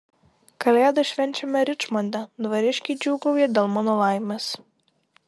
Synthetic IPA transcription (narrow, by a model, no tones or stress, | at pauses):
kɐlʲæːd̪ɐʃʲʋʲɛnʲt͡ʃʲɛmʲɛɾʲɪt͡ʃmɔnʲd̪ʲɛd̪ʋɐɾʲɪʃʲkʲɪd͡ʒʲuːɡɐʊjɛd̪ʲeːlˠmɑːnoːlˠɑˑɪmʲes